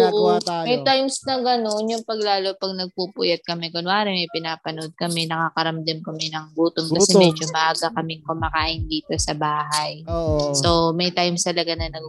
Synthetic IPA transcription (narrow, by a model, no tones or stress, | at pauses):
oʔmɐjtt̪ajmsnɐɡɐnonjʊŋpɐɡlaːlo̞pɐɡ̚nɐɡ̚pupʊjɐt̪̚kɐmɛkonwaːɾɐmɐjpɪnaːpɐnod̪̚kɐmɛnɐkaːkɐɾɐmd̪ɐmkɐmɛnɐŋbuːt̪omkkɐɛmɛd͡ʒomɐʔaɡakɐmɛŋkʊmakaːʔɪnd̪iːt̪o̞sɐbaːɦɐjso̞mɐjt̪ajmst̪ɐlɐɡanɐnɐɡ